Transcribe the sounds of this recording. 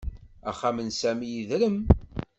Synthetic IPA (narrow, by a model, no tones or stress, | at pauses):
æ̰χamənsæmijiðɾəm